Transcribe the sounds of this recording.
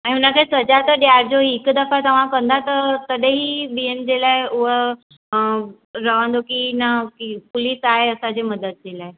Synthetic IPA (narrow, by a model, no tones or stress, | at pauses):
anĩɦunakəisəd͡ʑat̪əɾɖjaɾd͡zoiekːd̪əfat̪əʋ̤ãkənd̪ʱat̪əɾt̪əd̪eɦiːbiemd͡ʑelaeuʋə | ɾəʋãnd̪okinəkipuliːsaeəsad͡zeməd̪ət̪̚d͡ʑelae